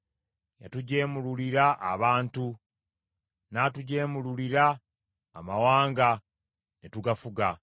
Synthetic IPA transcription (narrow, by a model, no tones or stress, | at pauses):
ja̰tuɟe̞ːmululiɾaʔːβaːntu | naːtuɟe̞ːmululiɾa̰ː | mawaːŋɡa | netuɡafuɡa